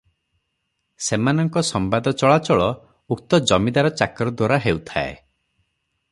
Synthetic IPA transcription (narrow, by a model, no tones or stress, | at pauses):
semanɔŋkɔsɔmbad̪ɔt͡ʃɔɭat͡ʃɔɭɔ | uk̚t̪ɔd͡ʒɔmid̪aɾɔt͡ʃakɾɔd̪waɾaɦeut̪ʰa̰ḛ